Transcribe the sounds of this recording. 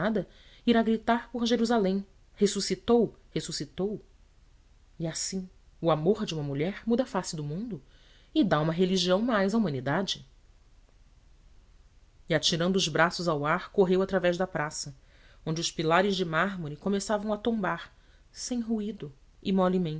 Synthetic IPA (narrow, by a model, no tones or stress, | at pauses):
ad̪ɐ | iɾaɡɾit̪aɾpoɾʒeɾuzalẽj̃ | hesusit̪owhesusit̪ow | iasĩ | ʊamoɾd͡ʒɪũmɐmuʎɛɾmud̪ɐfasɪd̪ʊmũnd̪ʊ | ɪd̪aũmɐɦeliʒiɐ̃w̃majzaumɐ̃nid̪ad͡ʒɪ | iat͡ʃiɾɐ̃nd̪ʊːzbɾasʊzawaɾkoɦewat̪ɾavɛʒd̪ɐpɾasɐ | õñd͡ʒɪʊʃpilaɾɪzd͡ʒɪmaɦmoɾɪkomesavɐ̃w̃ɐt̪õbaɾ | sẽj̃ɦuid̪ʊ | imɔlimẽ